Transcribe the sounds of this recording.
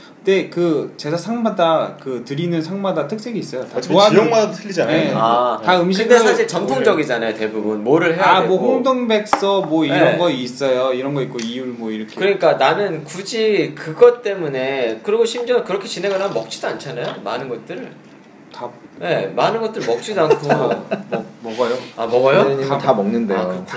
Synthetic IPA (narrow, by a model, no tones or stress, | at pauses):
nde̞kɯt͡ɕe̞sasʰaŋmadakɯtɯɾinɯnsʰaŋmadatʰɯk̚s͈ʰeɡiːs͈ʌjotaoaoŋmaddotʰɯʎːid͡ʑanjejoataɯmɕ̬ʰɯɡdesʰaɕʰiɭt͡ɕʌmtʰoŋd͡ʑʌɡid͡ʑanajote̞bubunmoɾɯɭɦeamwʌhoŋdoŋbe̞k̚s͈ʌmwʌiɾʌnɡʌis͈ʌjoiɾʌnɡʌik͈oijuɭmwʌiɾʌkʰekɯɾʌɲik͈ananɯnkud͡ʑikɯɡʌt͈e̞mune̞kɯɾiɡoɕʰimd͡ʑʌkɯɾʌkʰe̞t͡ɕine̞ɡanamʌk̚t͡ɕ͈idoant͡ɕʰanajoma̰nɯnɡʌt̚t͈ɯɾ | taje̞manɯnɡʌt͈̚ɯɭmʌk̚t͡ɕ͈idankʰomʌmʌɡajoamʌɡajoɲiatamʌŋnɯndea̰oɯkʰ